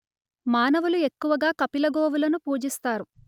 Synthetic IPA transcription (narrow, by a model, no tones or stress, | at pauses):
maːnɐʋulue̞kːuʋɐɡaːkɐpilɐɡoːʋulɐnupuːd͡ʒist̪aːɾu